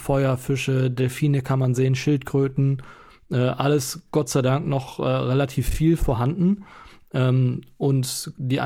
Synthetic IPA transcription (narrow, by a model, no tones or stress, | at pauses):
fɔʏɐfɪʃədɛlfiːnəkʰanmanzeːənʃɪltkʁ̥øːtn̩ | ʔɛːʔaləsɡ̥ɔtt͡saɪdaŋknɔχʔɛːʁelatʰiːfːiːlfoːɐɦandn̩ʔɛːmʔʊntd̥iːʔa̰